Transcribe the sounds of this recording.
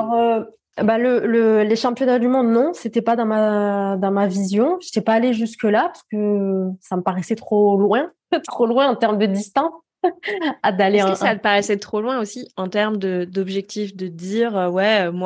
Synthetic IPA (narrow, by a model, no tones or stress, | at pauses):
aɔʁø | balələleʃɑ̃pjɔnad̪ymɔ̃d̪nɔ̃set̪ɛpad̪ɑ̃mad̪ɑ̃mavizjɔ̃ʒət̪ɛpaːleʒyskəlapaʁskəsaməpaʁɛsɛt̪χolwɛ̃ | t̪χolwɛ̃ɑ̃t̪ɛʁmd̪əd̪ist̪ɛ̃ | ad̪aleɛ̃kəsat̪paʁɛsɛt̪χolwɛ̃osiɑ̃t̪ɛʁməd̪əd̪ɔbʒɛk̚t̪ifd̪əd̪iːʁøwɛømwa